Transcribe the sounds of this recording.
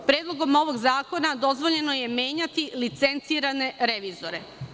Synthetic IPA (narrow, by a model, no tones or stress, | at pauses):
pɾeːd̪lˠo̞ɡo̞mo̞ʋo̞ɡzaːko̞nad̪o̞zʋo̞ʎe̞no̞je̞mje̞ːɲat̪ilit̪se̞nt̪siːɾane̞ɾeʋiːzoɾe̞̰